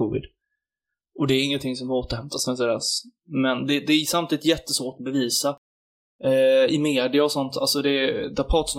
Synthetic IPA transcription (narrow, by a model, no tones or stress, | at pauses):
ʊvɪ̰d̪ | ɔd̪ɛːɾɪŋːənt̪ʰɪŋsɔmoːt̪əɾhɛmt̪ʰasɛns̬ɛd̪ɛs | mɛnd̪ɛd̪ɛːsamt̪ʰiːd̪ɪt̪jɛt̪ːəsvoːʈɔbɛviːsa | ɪmeːd̪ɪaɔsɔnt̪ʰalsɔd̪ɛd̪aɾpʰɑːt̪sɔm